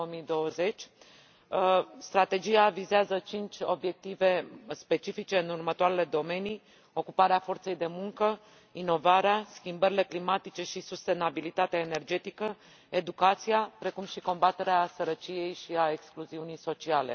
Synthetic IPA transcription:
oomijd̪o̞wəze̞t͡ʃʲ | st̪ɾat̪e̞d͡ʒijavizeazət͡ʃint͡ʃʲo̞̰bje̞k̚t̪ive̞spe̞t͡ʃifit͡ʃe̞ɨnurmət̪oaɾele̞d̪o̞me̞ni | o̞kupaɾeafo̞rt̪se̞jd̪e̞muŋkə | ino̞vaɾeaskʲimbəɾile̞klimat̪it͡ʃe̞ʃisust̪e̞nabilit̪at̪eaene̞rd͡ʒe̞t̪ikə | e̞d̪ukat̪sijapɾe̞kumʃiko̞mbat̪e̞ɾeasəɾət͡ʃije̞jʃiae̞kskluziunijso̞t͡ʃiale̞̰

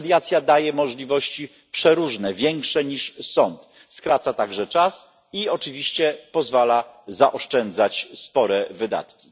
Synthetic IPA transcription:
d̪jat̪sʲjad̪ajɛmɔʐlʲivɔɕt͡ɕi | pʂɛɾuʐnɛvʲjɛŋkʂɛɲiʂsɔnt̪ | skɾat̪sat̪aɡʐɛt͡ʂas | iɔt͡ʂɘvʲiɕt͡ɕɛpɔzvalazaʔɔʂt͡ʂɛnd̪zat͡ɕspɔɾɛvɘd̪a̰t̪kʲi

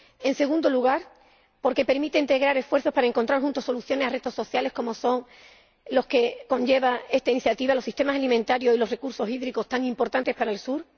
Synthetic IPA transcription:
e̞nseɣ̞ũnd̪o̞luɣ̞aɾ | po̞ɾke̞pe̞ɾmit̪e̞int̪e̞ɣ̞ɾaɾe̞sfwe̞ɾθo̞spaɾae̞ŋkont̪ɾaɾxunt̪o̞so̞luθjo̞ne̞sare̞t̪o̞so̞θjale̞sko̞mo̞so̞ŋ | lo̞ske̞ko̞ɲʝe̞βae̞st̪ainiθjat̪iβalo̞sist̪e̞masalimẽnt̪aɾjo̞silo̞sre̞kuɾsosiðɾiko̞st̪aŋimpo̞ɾt̪ant̪e̞spaɾaelsuɾ

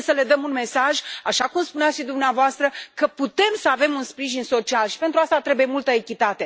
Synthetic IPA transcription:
səle̞d̪əmunme̞saʒaʃakumspuneat̪ʃid̪umneavoast̪ɾəkəput̪e̞msəave̞munspɾiʒinso̞t͡ʃialʃi̥pe̞nt̪ɾuast̪at̪ɾe̞buje̞mult̪əekʲit̪at̪e̞

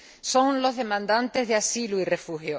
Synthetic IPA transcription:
so̞ŋlo̞zðe̞mãnd̪ãnt̪e̞zðeasiluire̞fuhjo

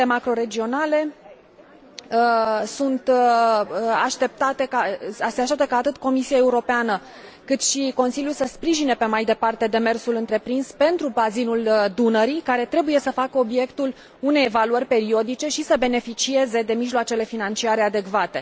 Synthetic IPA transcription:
emakɾo̞ɾe̞d͡ʒio̞nale̞ | sunt̪ | aʃt̪e̞p̚t̪at̪ekaaseaʃt̪ep̚t̪əkaːt̪ɨt̪ko̞misiae̞uɾo̞peanə | kɨt̪ʃiko̞nsiljulsəspɾiʒine̞pe̞majd̪e̞part̪e̞d̪e̞me̞rsulɨnt̪ɾe̞pɾinspe̞nt̪ɾubazinuld̪unəɾikaɾe̞t̪ɾe̞buje̞səfakəo̞bje̞kt̪ul | une̞jevaluərʲpe̞ɾio̞d̪it͡ʃe̞ʃisəbe̞ne̞fit͡ʃie̞ze̞d̪e̞miʒloat͡ʃe̞le̞finant͡ʃiaɾe̞ad̪e̞kvat̪e̞

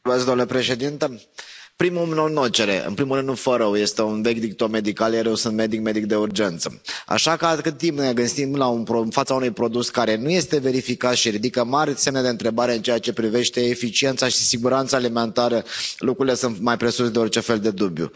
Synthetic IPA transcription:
meskd̪omlepɾe̞ʃe̞d̪int̪ə | pɾimumnonot͡ʃe̞ɾe̞̰ʔɨ̰npɾimulɾɨnd̪nufəɾəwje̞st̪e̞unve̞kʲd̪ik̚t̪ome̞d̪ikaljaɾewsɨnt̪me̞d̪ik̚me̞d̪ik̚d̪e̞urd͡ʒe̞nt̪sə̰a̰ʃakəakɨt̪ːimpne̞ɡɨnsimlaunpɾonfat̪saunujpɾo̞d̪uskaɾe̞nuje̞st̪eve̞ɾifikat̪ʃiɾid̪ikəmarʲse̞mned̪eɨnt̪ɾe̞baɾe̞ɨnt͡ʃe̞jat͡ʃe̞pɾive̞ʃt̪e̞ːfit͡ʃie̞nt̪saʃi̥siɡuɾant̪saːlime̞nt̪aɾəlukɾuɾile̞sɨnt̪majpɾe̞susd̪e̞o̞rt͡ʃe̞fe̞ld̪e̞d̪ubjṵ

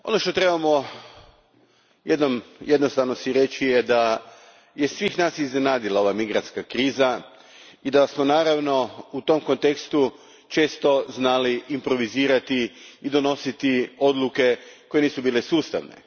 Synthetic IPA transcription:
o̞̰noʃt̪o̞t̪ɾe̞bamo̞ | jed̪nomjed̪no̞st̪aʋnosiɾe̞t͡ɕijed̪a | jesʋiːxnaːsizne̞naːd̪ilˠao̞ʋamiɡɾant̪skakɾiːza | id̪asmonaːɾaʋno̞ut̪o̞mko̞nt̪e̞kst̪u | t͡ʃe̞ːst̪o̞znaːliːmpɾo̞ʋiziːɾat̪iid̪o̞no̞sit̪io̞d̪lˠuke̞ko̞je̞niːsubiːlesuːst̪a̰ʋnḛ

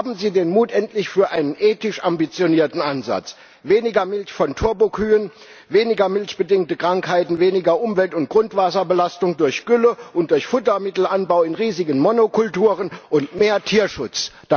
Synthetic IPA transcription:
haːbm̩ziːdeːnmuːtʔɛntlɪçfyːɐʔaɪnənʔeːtɪʃʔambit͡sjoniːɐtn̩ʔanza̰t͡s | veːnɪɡɐmɪlçfɔntʰʊɐbokʰyːən | veːnɪɡɐmɪlçb̥ədɪŋk̚təkʁ̥aŋkhaɪtn̩veːnɪɡɐʔʊmvɛltʊnt̚ɡ̥ʁʊntv̥aːsɐbəlastʊŋdʊɐçɡ̥ʏləʔʊntd̥ʊɐçfʊtɐmɪtl̩ʔanbaʊɪnʁiːzɪɡənmonokʰʊltuːʁənʔʊntmeːɐtʰiːɐʃʊt͡sd̥

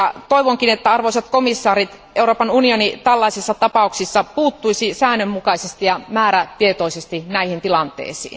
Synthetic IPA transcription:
ɑt̪oiʋoŋkinet̪ːæɑrʋoˑiset̪komisːɑːɾit̪ | ʔeuroːpɑnunionit̪ælːɑisisːɑt̪ɑpɑuksisːɑpuːt̪ːuisisæːnːømːukɑisest̪ijɑmæːɾæt̪iet̪oisest̪inæihint̪ilɑnt̪ḛisḭːn

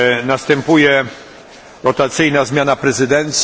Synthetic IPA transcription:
nast̪ɛmpujɛ | ɾɔt̪at̪sɘjnazmʲjanapɾɛzɘd̪ɛnt̪sʲ

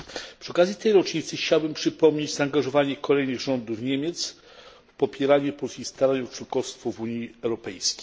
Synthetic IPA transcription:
pʂɨɔkazʲjit̪ɛjɾɔt͡ʂɲit̪sɘxt͡ɕawbɘmpʂɘpɔmɲed͡ʑzaːŋɡaʐɔvaɲɛkɔlɛjnɘɣʐɔnd̪ufɲemʲjɛt̪s | fpɔpʲjɛɾaɲɛpɔlsʲkʲist̪aɾaɲɔt͡ʂwɔnkɔst̪fɔvuɲiɛwɾɔpɛ̰jskʲe̥j

